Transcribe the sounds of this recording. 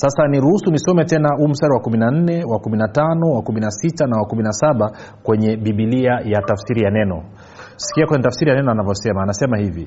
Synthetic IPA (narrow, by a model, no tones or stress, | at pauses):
sasaniɾuhusunisɔmɛtɛnahuːm̩staɾiwakuminan̩nɛwakuminatanɔwakuminasitanawakuminasaɓa | kwɛɲɛɓiɓiliajatafsiɾijanɛnɔ | si̥kiakwɛɲɛtafsiɾijanɛnɔanavjɔsɛmaːnasɛmahivi